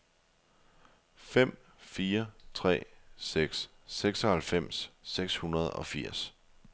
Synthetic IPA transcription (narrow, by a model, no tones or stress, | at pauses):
fem̰ | fiːɐt͡sʰʁɛ̰ːseɡ̥sː | eɡ̥sɒ̽hælfem̰sːeɡ̥shunɐð̞ˠɒ̽fiɐ̰s